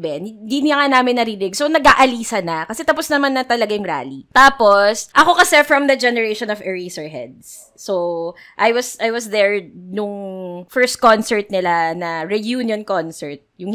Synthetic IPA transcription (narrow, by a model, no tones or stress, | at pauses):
bɛnnd̪inɐŋanaːmɪnːɐɾiːlɪnɪɡ̚sonɐɡaːʔɐliːsɐnɐkɐsɛt̪ɐpʊsnɐmanːɐt̪ɐlɐɡajʊŋɾa̰ːlit̪aːposʔɐko̞kɐsɛfɹɐmd̪ɐd͡ʒɛnɛɹejʃɔnɔvɛɹisɛɹɦɛ̰d̪̚sː | o | ʔajwɐsʔajwɐsd̪ɛɹnʊŋfɛɹst̪̚konsɛɹt̪̚nɪlanɐɹɛjuːnjonkonsɛɹt̪̚jʊŋ